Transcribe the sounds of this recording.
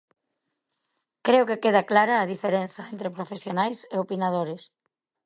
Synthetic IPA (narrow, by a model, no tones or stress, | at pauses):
kɾeʊkekeð̞ɐklaɾɐːðifeɾen̟θɐent̪ɾepɾofesjonajseopinað̞oɾɪs